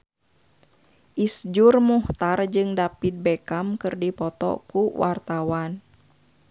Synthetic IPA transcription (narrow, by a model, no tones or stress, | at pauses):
ʔisd͡ʒurmuht̪ard͡ʒɨŋdapit̪̚bɛkamkɨrdipɔt̪ɔ̰kuwart̪awan